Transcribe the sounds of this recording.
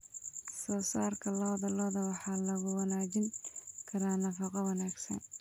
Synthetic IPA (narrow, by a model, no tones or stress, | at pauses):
sɔːsaːrkʰɐlɔːðɐlɔːðɐwɑħɑːlɐɣʊwɑnaːt͡ʃɪŋkʰɐɾaːnɐfɑqɔwɑnaːɡsɐ̰n